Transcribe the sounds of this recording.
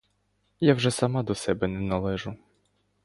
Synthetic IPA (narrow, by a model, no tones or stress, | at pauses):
jawʒɛsɐmɑd̪ɔsɛbɛnɛnɐlˠɛʒʊ